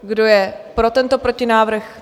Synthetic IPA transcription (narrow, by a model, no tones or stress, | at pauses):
ɡdo̞jɛpɾo̞t̪ɛnt̪o̞pɾo̞cɪnaːvr̩x